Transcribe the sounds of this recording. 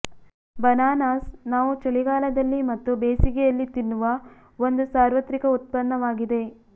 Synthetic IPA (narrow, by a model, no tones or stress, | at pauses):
bɐnaːnaːsnaːʋut͡ʃɐɭiɡaːlɐd̪ɐlːimɐt̪ːubeːsiɡɛjɐlːit̪inːuʋɐ | o̞nd̪usaːɾʋɐt̪ɾikɐut̪̚pɐnːɐʋaːɡid̪e̞